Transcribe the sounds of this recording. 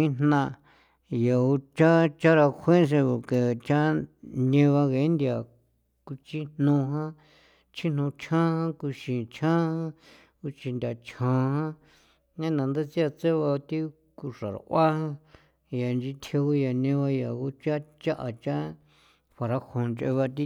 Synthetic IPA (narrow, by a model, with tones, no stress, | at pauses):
ĩ˦n̥nã˧ | ja˨u˧t͡ʃa˦t͡ʃa˦ɾa˧hʷẽ˦s̬e˧βo˨ke˨t͡ʃa˦nẽ˧βa˧ɣe˨˦nd̪ʲi˧a˨ | ku˧t͡ʃi˦n̥nũ˧ɦã˦ | t͡ʃʰi˦n̥nũ˧t͡ʃʰã˦hã˦ku˧ʃĩ˨t͡ʃʰã˦hã˦ | u˧t͡ʃi˧nd̪ʲa˨t͡ʃʰã˧˦hã˦ | ɲã˦nã˨˧nd̪e˦t͡si˦a˧t͡se˦βa˧t̪i˦ | ku˧ʂa˨ɾa̰˨ʔʷa˦hã˦ | ja˨nd͡ʒi˧t̪ʰe˧u˧ja˨nẽ˧βa˧ja˨u˧t͡ʃa˦t͡ʃa˦ʔa˧t͡ʃa˦ | ɸʷa˨ɾa˧ho˨nt͡ʃʔḛ˧βa˧t̪̬i˦